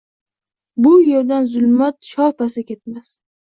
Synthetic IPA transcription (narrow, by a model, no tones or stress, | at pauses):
bʊjeɾd̪anzʊlmat̪ʃɒlpʰasɪkʲʰe̞t̪̚mas